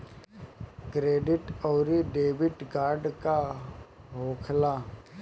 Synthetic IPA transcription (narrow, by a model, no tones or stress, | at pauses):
kɾeːɖɪʈɔːɾiɖeːʋɪʈɡaːɾɖka | ɦoːkʰlaː